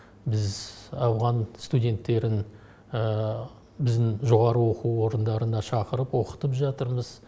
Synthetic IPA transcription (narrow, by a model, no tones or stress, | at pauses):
bɪzɑwʁɑnst̪udʲe̞nt̪ːe̞ɾɪn | ə | bɪzd̪ɪŋʒo̞ʁɑɾəwo̞quo̞ɾənd̪ɑɾənd̪ɑʃɑqəɾəpwo̞qə̥t̪əpʒɑt̪əɾməz̥